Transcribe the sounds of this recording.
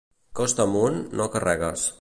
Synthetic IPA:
kɔst̪amunːokarɛɣəs

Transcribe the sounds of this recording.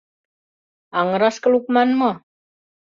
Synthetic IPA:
aŋəɾaskəluk̚manmə

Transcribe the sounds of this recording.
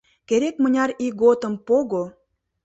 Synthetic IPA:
keɾekmə̆nʲɑriɡot̪ə̆mpoɣo

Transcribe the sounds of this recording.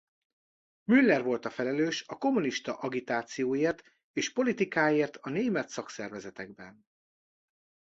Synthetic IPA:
mylːɛrvo̞lt̪ɒfɛlɛløːʃɒko̞muniʃt̪ɒʔɒɡit̪aːt̪sijoːjeːrt̪ | eːʃpo̞lit̪ikaːjeːrt̪ʰɒneːmɛt̪sɒksɛrvɛzɛt̪ɛɡ̚bɛn

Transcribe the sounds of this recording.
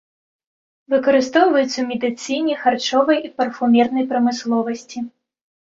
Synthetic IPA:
vɨkɐɾɨst̪ɔwvɐjut̪sɐwmʲɛd̪ɨt̪sɨjnʲixart͡ʂɔvɐjʔipɐrfumʲɛrnɐjpɾɐmɨslˠɔvɐsʲt͡sʲi

